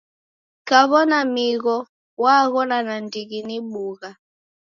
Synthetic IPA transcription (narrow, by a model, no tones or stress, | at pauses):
kaβɔnamiɣɔ | waɣɔnanandiɣiniɓuɣa